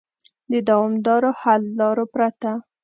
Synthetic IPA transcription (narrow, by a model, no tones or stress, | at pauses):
d̪əd̪awɑmd̪ɑɾohalːɑɾopɾat̪a